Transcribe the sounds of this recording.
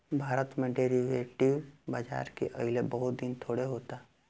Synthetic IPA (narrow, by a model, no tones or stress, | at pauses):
bʱaːɾət̪mẽɖeːɾiʋeːʈiʋbaːd͡ʒa̰ːɾkḛʔɐ̰ɦɪlebɐɦʊt̪̚d̪int̪ʰoːɽeɦoːt̪a